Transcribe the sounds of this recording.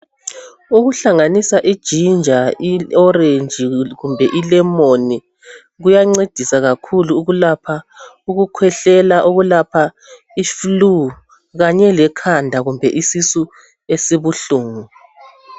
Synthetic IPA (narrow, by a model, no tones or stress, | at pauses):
uɣuɬaŋanisaʔid̥ʒ̥ʱind͡ʒʱaiɔɾend͡ʒʱiɣumbʱɛʔilɛmoni | ɣujaŋ͡ǀed̥ʱisaɣakʰuluːɣulapʰa | uɣukʰwɛɬɛlaʔoɣulapʰa | iflu | ɣaɲɛlɛkʰandʱaɣumbʱɛʔisisu | esiβuɬuːŋu